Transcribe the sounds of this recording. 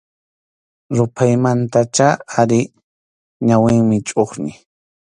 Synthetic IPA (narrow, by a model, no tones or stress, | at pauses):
ɾʊpʰajmant̪at͡ʃaaɾɪ | ɲawɪŋmɪt͡ʃʼoχnɪ